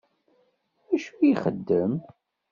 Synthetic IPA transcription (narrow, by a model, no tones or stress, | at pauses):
æʃujiχə̰d̪ːəm